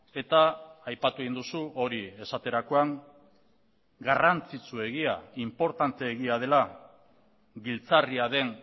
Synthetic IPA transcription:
e̞t̪aːjpat̪ueɣind̪usuo̞ɾie̞sat̪e̞ɾako̞aŋ | ɡarant͡sit͡sue̞ɣ̞iaimpo̞ɾt̪ant̪e̞ːɣiað̞e̞la | ɡilt͡sariaðe̞ŋ

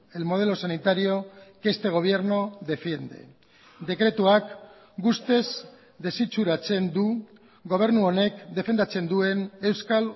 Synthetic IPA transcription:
e̞lmo̞ð̞e̞lo̞sanit̪aɾio̞kest̪e̞ɣ̞o̞β̞je̞ɾno̞ðe̞fje̞nd̪e̞̰ | d̪e̞kɾe̞t̪uak | ɡust̪e̞z | d̪e̞sit͡suɾat͡se̞nd̪u | ɡo̞β̞e̞ɾnuo̞ne̞kd̪e̞fe̞nd̪at͡se̞nd̪ue̞ne̞wskal

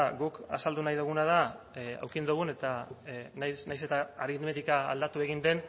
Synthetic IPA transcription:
ɡuka̰sald̪unajðuɣ̞unað̞a | a̰wkind̪uɣ̞une̞t̪anjsnajse̞t̪aːɾinmet̪ikaa̰ld̪at̪ue̞ɣ̞ind̪e̞n

